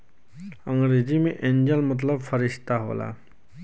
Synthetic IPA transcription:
əŋɡɾed͡ʑimeʔeɲd͡ʑəlmət̪̬ləbfəɾiɕt̪aɦo̰la̰

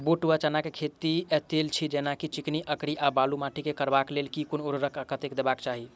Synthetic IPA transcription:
buʈuat͡ʃənakekʰet̪iɛt̪elt͡ʃʰid͡ʒenakit͡ʃikniʔəkɾiʔabalumaʈʰikekəɾbaklelkikonoɾɾəkʰəkət̪ekd̪ebakt͡ʃaɦi

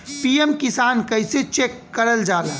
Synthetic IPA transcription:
piemkɪsaːnkəɪset͡ʃekːəɾəld͡ʒaːla̰

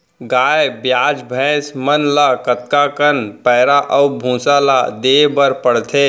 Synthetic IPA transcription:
ɡaːjbjaːd͡ʒbʱɛ̃ːsmənlakət̪̚kakənpɛːɾaʔəwbʱũːsala̰d̪eːbəɾpəɽt̪ʰe

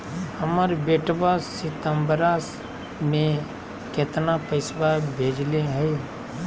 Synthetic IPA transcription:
həməɾbeʈbasɪt̪əmbəɾaːs | mẽ | ket̪napəɪsbabʱeːd͡ʒleɦɛe

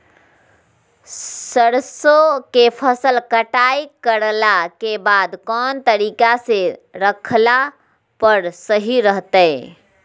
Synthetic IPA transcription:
səɽsokepʰəsəlkəʈaikəɾlakebad̪kɔːnt̪əɾiːkaseɾəkʰla | pəɾsəɦiɾəɦt̪əɪ

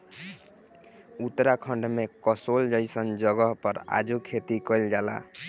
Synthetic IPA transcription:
ut̪ːɾakʰʌɳɖmekɔsold͡ʒʌjsʌnd͡ʒʌɡʌɦpʌɾa̰d͡ʒukʰet̪ikʌjld͡ʒala̰

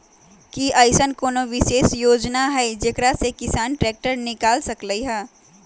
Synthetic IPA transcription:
kiʔaːɪsənkoːnoʋɪʃeːsjoːd͡ʒnaɦɛd͡ʒekɾasekɪsaːnʈɾɛːk̚ʈəɾnɪkaːlsɐkləiɦɛː

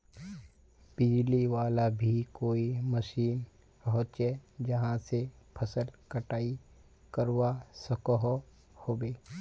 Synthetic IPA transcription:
b̥ɪd͡ʒliʋaːlabʱikoːiməʃiːn | pəɦʊ̃t̪̚t͡ʃed͡ʒɐɦãsepʰəsəlkəʈaːi | kəɾwasəkəɦ | hoːbeː

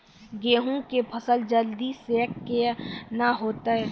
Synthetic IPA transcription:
ɡeːɦũkepʰəsəld͡ʒəld̪isekːenaɦoːt̪aɛː

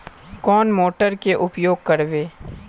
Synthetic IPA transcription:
kɔːnmoːʈəɾkeʔʊpjoːɡ̚kəɾʋeː

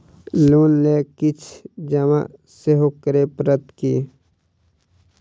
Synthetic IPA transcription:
luːnlekɪt͡ʃʰd͡ʒəma̰ | seɦokəɾepɾət̪ki

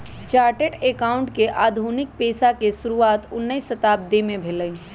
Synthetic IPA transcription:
t͡ʃaːɾʈeʈekaːʊ̃ɳʈkeʔaːd̪ʱunɪk̚peːsakesʊɾuaːt̪ʊnːəisət̪aːp̚d̪emẽbʱeləj

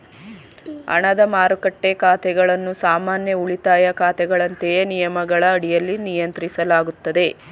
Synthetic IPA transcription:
ɐ̰ɳɐd̪ɐmaːɾukɐʈːe̞kaːt̪ɛɡɐɭɐnːusaːmaːnjɐuɭit̪aːjɐkaːt̪ɛɡɐɭɐnt̪ejenijɐmɐɡɐɭɐːɽijɐlːinijɐnt̪ɾisɐlaːɡut̪ːɐd̪e̞

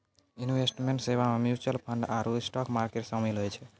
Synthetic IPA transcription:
iniwesʈmeɳʈseβamemjut͡ʃəlpʰəɳɖaɾusʈɔkmaɾkeʈsəmilɦojt͡ʃʰɛ

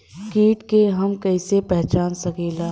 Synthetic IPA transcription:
kiːʈkeɦɐmkɐɪsepɛɦt͡ʃaːnsɐkeːlaː

